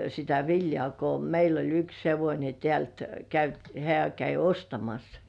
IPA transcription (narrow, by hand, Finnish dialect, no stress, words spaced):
sitæ ʋiljŏɑˑ ko meil olʲ yks heʋonʲe tĕæˑlt kæyt hĕæˑ kæi ostɑmɑs